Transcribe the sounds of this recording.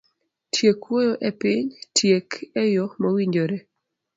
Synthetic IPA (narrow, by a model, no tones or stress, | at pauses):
tʰjekwojoʔɛpɪɲtʰjekʰɛjomowiɲd͡ʒoɾe